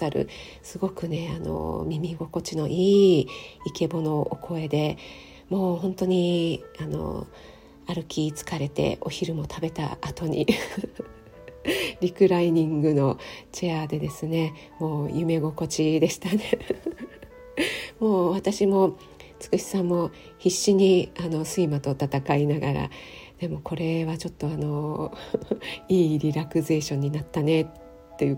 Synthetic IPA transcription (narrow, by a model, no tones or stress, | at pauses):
aɾɯ̟̰ | sɨɡo̞kɯ̟ne̞ano̞̰mʲimʲiɡo̞ko̞t͡ɕino̞ʔiːike̞bo̞no̞ʔokʰo̞e̞d̪e̞ | mo̞ːɦõnt̪o̞ɲ̟iano̞̰ | aɾɯ̟kʲiːt͡sɨ̥kaɾe̞t̪e̞̰ʔo̞çiɾɯ̟mo̞t̪ʰabe̞t̪a̰ʔat̪o̞ɲ̟ḭ | ɾʲikɯ̟ɾaiɲ̟ĩŋɡɯ̟no̞t͡ɕead̪e̞d̪e̞sɨne̞ | mo̞ːjɯ̟me̞ɡo̞ko̞t͡ɕid̪e̞ɕi̥t̪ane̞ | mo̞ːβat̪aɕimo̞ | t͡sɨ̥kɯ̟ɕi̥sãmːo̞ | çiɕːiɲ̟iano̞sɨimat̪o̞t̪at̪akainaɡaɾa̰d̪̥e̞mo̞ko̞ɾe̞βat͡ɕo̞t̪ːo̞ano̞ | iːɾʲiɾakɯ̟ze̞ːɕõ̞ɲ̟ːinat̪ːane̞tː | e̞jɯ̟